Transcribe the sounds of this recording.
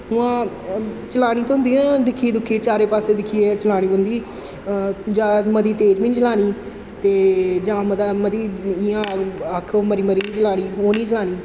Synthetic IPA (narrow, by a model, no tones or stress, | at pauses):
ɦʊãː | t͡ʃəlaːɽ̃ĩːt̪ʊ̃ːnd̪iːãːd̪ɪkʰiːed̪ʊkʰːiːt͡ʃaːɾeːpaːseːd̪ɪkʰieːt͡ʃəlaːɽ̃iːʊnd̪iː | d͡ʒãːməd̪iːt̪eːd͡ʒmĩt͡ʃəlaːɽ̃iː | t̪eːd͡ʒãːməd̪aːməd̪iːɪãːəkʰːməɾiːməɾiːĩːt͡ʃəlaːɽ̃iːɦoːniːt͡ʃəlaːɽ̃iː